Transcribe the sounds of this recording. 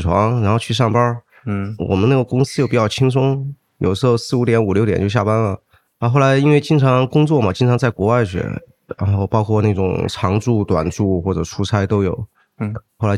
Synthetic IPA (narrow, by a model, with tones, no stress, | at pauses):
ʈ͡ʂʰwɑ̰˧˥ŋɻa˧˥nxo˥˧ʊt͡ɕʰy˥˧ʂ̬ɑ˥˩ŋpɐ˥ | wɔ̰˨˩mə˦na˥˩ɡə˩kʊ˥ŋsɹ̩˥jo˥˩pi˨˩jɑ˥˩ʊt͡ɕʰi˥ŋs̬ʊ˥ŋ | jo̰˨˩ʂɻ̩˧˥xo˥˧ʊsɹ̩˥˩u˧˥t̪jɛ˧˥nu˨˩ljʊt̪jɛ̰˨˩˥t͡ɕo˥˧ʊɕja˥˩pa˥nlə˨ | a˧xo˥˩ʊla˧˥ɪi˥nwe˥˧ɪt͡ɕi˥ŋt͡sʰɑ˧˥ŋkʊ˥ŋt͡swɔ˥˩mɐ˩t͡ɕi˥ŋʈ͡ʂʰɑ˧˥ŋt͡sa˥˩ɪkwɔ˧˥wa˥˩ɪɕɥɛ̰˧˥ | ɻa̰˧˥nxo˥˧ʊpɑ˥ʊkʰwɔ˥˧na˥˩ʈ͡ʂʊ̰˨˩ŋʈ͡ʂʰɑ˧˥ŋʈ͡ʂu˥˩t̪wa̰˨˩nʈ͡ʂu˥˩˧xwɔ˥˩ʈ͡ʂɤ˨˩ʈ͡ʂʰu˥t͡sʰa˥ɪt̪o˥ʊjo˨˩˦ʊ | xo˥˩la˧˥